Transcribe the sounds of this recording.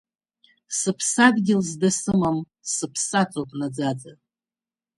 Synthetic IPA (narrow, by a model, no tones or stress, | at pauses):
sɨpʰsadɡʲɪlzdasɨmam | sɨpʰsatʰopʼnad͡zad͡za